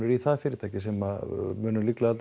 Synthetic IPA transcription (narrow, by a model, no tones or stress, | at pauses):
nʏɾiθaðfɪɾɪ̥t̪ʰaːjcɪsɛmamʏːnʏliklaðal